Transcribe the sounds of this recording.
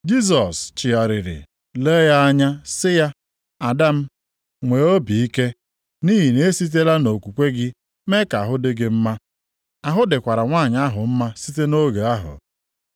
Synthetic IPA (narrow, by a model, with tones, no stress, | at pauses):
d͡ʒi˦s̬ɔ˨st͡ʃɪ˨a˨ɾɪ˨ɾɪ̰˨ | le˦ja˦a˦ɲa˦sɪ˦ja˦ | a˨da˦m̩˦ | ŋʷe˨o˦bi˨i˦ke˦ | ni˦ɦi˨ne˦si˦t̬e˦la˦no˨kʷu˨kʷe˦ɡɪ˦ | me˦ka˨ɦʊ˦dɪ˦ɡɪ˦m̩˦ma˦ | a˨ɦʊ˦dɪ˨kʷa˨ɾa˨ŋʷa˦˨ɲa˦a˦ɦʊ˨m̩˦ma˦si˦te˦no˦ɡe˨a˦ɦʊ̰˨